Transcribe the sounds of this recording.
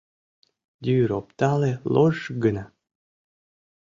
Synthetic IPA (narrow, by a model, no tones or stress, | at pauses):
d̪ʲyɾop̚t̪ɑleloʒɡəna